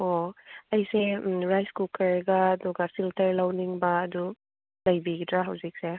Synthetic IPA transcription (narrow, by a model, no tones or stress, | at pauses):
oɐjseɾajskukɐɾɡaːd̪uɡafiltɐɾlawniŋbaːd̪u | lɐjbiɡitʰɾaɦɐwzik̚se